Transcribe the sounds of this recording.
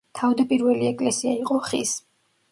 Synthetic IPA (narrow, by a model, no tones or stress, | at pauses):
t̪ʰavd̪apʼiɾvɛliɛkʼlɛsiaiqʼɔχis